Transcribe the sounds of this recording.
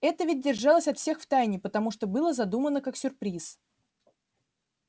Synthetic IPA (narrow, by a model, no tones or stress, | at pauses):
ɛt̪əvʲɪt̚ʲdʲɪrʐɑlˠəsʲɐt̪fsʲe̞xft̪ajnʲɪpət̪ɐmuʂt̪obɨlˠəzɐd̪umənəkaksʲʊrpɾʲis